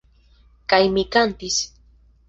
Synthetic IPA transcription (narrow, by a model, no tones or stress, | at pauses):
kajmɪkant̪is